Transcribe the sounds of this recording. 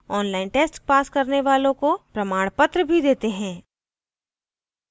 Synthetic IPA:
ɔːnlaːɪnʈeːsʈpaːskɐɾneʋaːlõkopɾɐmaːɽ̃pət̪ɾəbʱid̪eːt̪eɦɛ̃ː

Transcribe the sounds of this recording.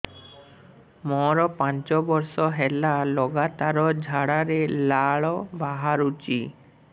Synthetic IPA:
mɔɾɔpãnt͡ʃɔbɔɾsɔɦɛlalɔɡat̪aɾɔd͡ʒʱaɽaɾelaɭɔbaɦaɾut͡ʃi

